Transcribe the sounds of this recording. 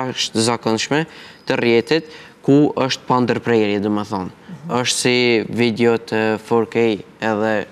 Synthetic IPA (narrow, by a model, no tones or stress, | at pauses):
ʃt̪əzakɔnʃmɛt̪ərjɛt̪it̪ | kuəʃt̪pand̪əɾpɾɛɾjɛd̪umɛθɔnəʃt̪sivid̪ɛɔt̪əfɔɾkɛj | ɛðɛ